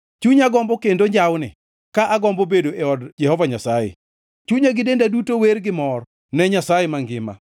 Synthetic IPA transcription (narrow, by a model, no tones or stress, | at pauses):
t͡ʃuɲaɡɔmbɔkendoɲd͡ʒawnɪ̰ | kaʔaɡɔmbɔobedoʔɛɔdd͡ʒɛhɔvaɲasajḛ | t͡ʃuɲaɡɪdendadutowerɡɪmɔr | nɛɲasajemaŋɡɪma̰